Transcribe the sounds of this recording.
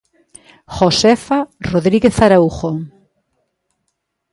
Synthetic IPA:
χosefaroðɾiɣeθaɾauχoŋ

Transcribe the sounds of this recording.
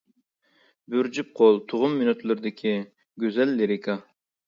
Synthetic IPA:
byɾd͡ʒyp̚qʰolˠt̪ʰʊʁʊmːynyt̪lˠyɾd̪ɪkʲʰi | ɡʲøzɛlːeɾɪkʰɑ

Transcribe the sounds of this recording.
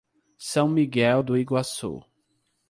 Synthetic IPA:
sɐ̃w̃miɡɛld̪ʊiɡwasṵ

